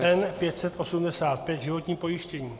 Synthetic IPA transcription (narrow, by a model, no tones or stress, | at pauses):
ʔɛnpjɛt̪sɛt̪ʔo̞sumdɛsaːt̪̚pjɛd̪ʒɪvo̞t̪ɲiːpo̞jɪʃcɛɲiː